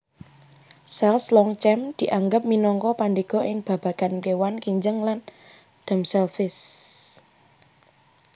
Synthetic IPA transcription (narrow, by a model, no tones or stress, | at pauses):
sɛlslɔŋt͡ʃɛmd̪̥i̤ʔaŋɡəp̚minɔŋkɔpandiɡ̥ɔ̤ʔɪŋb̥ä̤b̥ä̤ɡ̥ankewankiɲd͡ʒəŋlan | d̪̥a̤msɛlfɪs